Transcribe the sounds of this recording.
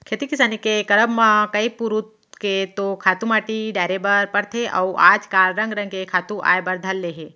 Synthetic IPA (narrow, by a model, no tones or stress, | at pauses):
kʰeːt̪ikɪsaːnikekɐɾəbmãkɐipuɾut̪ | ket̪okʰaːt̪umaːʈiɖaːɪɾebɐɾpɐɾt̪ʰeʔɐ̰uʔaːd͡ʒkaːlɾɐ̃ŋɡɾɐ̃ŋɡkekʰaːt̪uʔa̰ːjbɐɾd̪ʱɐlːeɦe